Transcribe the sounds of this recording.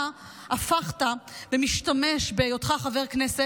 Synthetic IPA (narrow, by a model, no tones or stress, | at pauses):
afaχtabemiʃtameʃbejodχaχaveʁknese